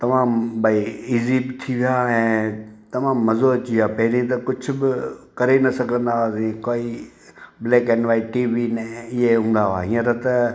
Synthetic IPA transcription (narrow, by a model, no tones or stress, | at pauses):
t̪ɐʋãːmbaiiːziːbɪt̪ʰiʋijaɛ̃ːt̪ɐmãːmːɐzot͡ʃiaːpɐɦɪɾĩt̪̬ɐkʊd͡ʒʰʱʊbɪkɐɾenɐsɐɡʱə̃nd̪aasĩkoːiː | bleːkenʋaːiʈiːʋinɛɪɦeɦũːnd̪aʋa̰ːɦĩːə̃ɾət̪ɐ